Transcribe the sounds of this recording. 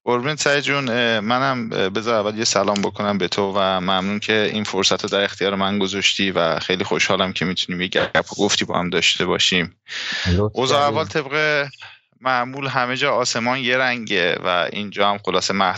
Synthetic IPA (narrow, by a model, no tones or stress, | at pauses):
oɾbinsæd͡ʒunmænæmbe̞zɒːævæljesælɒːmbo̞kʰo̞næmbe̞t̪ʰovæmæmnuːncʰe̞infoɾsæt̪ʰɾɔd̪æɾext̪ʰijɒːɾemænɡozɒʃt̪ʰiːvæ̰xejliːxoʃhɒːlæmcʰe̞miːt̪ʰuniːmjeɟæ̰æ̰pʰɔɡoft̪iːbɒ̰ːhæ̰md̪ɒːʃt̪ʰe̞bɒːʃim | ʔozɒːævɒːlt̪ʰe̞bɣe | mæʔmuːlɦæme̞d͡ʒɒːse̞mɒːnje̞ɾæŋɟevæ̰ḭnd͡ʒɒːhæmxolɒːse̞mæh